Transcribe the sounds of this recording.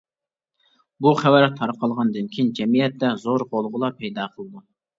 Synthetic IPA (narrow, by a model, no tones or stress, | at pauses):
buχæwæɾt̪ʰːɑɾqʰɑlˠʁɑnd̪ɨnkʲʰijind͡ʒɛmijɛt̪ːɛzoɾʁolˠʁʊlˠɑpʰɛjd̪ɑːqʰəlˠɨd̪u